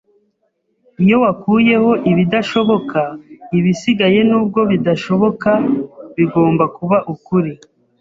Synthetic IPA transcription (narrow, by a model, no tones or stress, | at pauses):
ijo̞wakuːje̞ho̞ʔiβidaʃo̞βo̞kʰaiβisiɡaje̞nuːb̚ɡo̞βidaʃo̞βo̞kaβiɡo̞ːmbakuβaʔukuɾi